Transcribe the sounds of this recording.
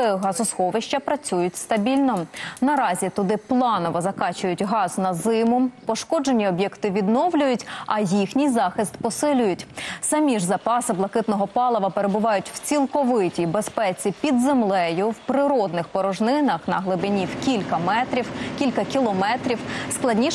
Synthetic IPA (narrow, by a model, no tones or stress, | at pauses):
ɦɑzʊsxɔʋɪʃt͡ʃɐpɾɐt͡sʲujʊtʲst̪ɐbʲilʲnɔnɐɾɑzʲit̪ʊd̪ɪplˠɑnɔʋɔzɐkɑt͡ʃʊjʊtʲɦɑznɐzɪmʊpɔʃkɔd͡ʒe̞nʲiɔbʲjɛkt̪ɪʋʲid̪nɔʋlʲʊjʊtʲɐjixnʲijzɑxɪst̪pɔsɪlʲʊjʊtʲsɐmʲiʒzɐpɑsɪblˠɐkɪt̪nɔɦɔpɑlˠɔʋɐpeɾebʊʋɑjʊtʲw̥t͡sʲilˠkɔʋɪtʲibespɛt͡sʲipʲid̪zemlˠɛjʊwpɾɪɾɔd̪nɪxpɔɾɔʒnɪnɐxnɐɦlˠɪbɪnʲiwkʲilʲkɐmɛt̪ɾʲiwkʲilʲkɐkʲilˠɔmɛt̪ɾʲiwsklˠɐdʲnʲi